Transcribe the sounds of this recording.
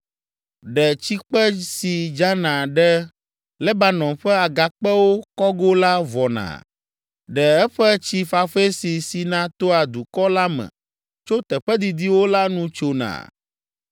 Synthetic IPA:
ɖɛ˨t͡ɕi˦k͡pɛ˦si˨d͡ʒa˦nã˨ɖɛ˦ | lɛ˦ba˦nɔ̃˨ɸɛ˦a˨ɡa˨k͡pɛ˦wo˦kɔ˦ɡo˦la˦vɔ˨nã̰˨ | ɖɛ˨ɛ˦ɸɛ˦t͡ɕi˦fa˨fe˦si˨si˨nã˦t̪o˦a˨d̪u˨kɔ˦la˦mɛ̰̃˨ | t͡ʃo˦t̪ɛ˨ɸɛ˦d̪i˨d̪i˦wo˦la˦nũ˦t͡ʃo˨nã̰˨

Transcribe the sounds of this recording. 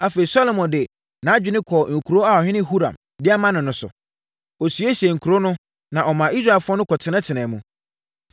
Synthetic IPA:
a˦fe˨i˨sɔ˦lo˨mɔ̃˨ndɪ˨ | nã˨˦d͡ʑᶣɪ˨˦nɪ̃˦kʰɔ˨ŋ̩˨kʰu˨ɾo˦a˨ɔ˨ɦɪ̃˦nɪ̃˦ɦu˦ɾã̰˨m | dɪ˦a˦mã˦nɪ̃˨nʊ̃˨sʊ̰˨ | ɔ˨su˨e˦ɕi˨e˨ŋ̩˨kʰu˨ɾo˦nʊ̃˦ | nã˨ʔɔ˨mã˨i˦s̬ɾa˦˨ɛ˨fʊ˦ɔ˦nʊ̃˦kʰɔ˨tʰɪ˨nã˦tʰɪ˨nɛ̃ː˨mũ˨

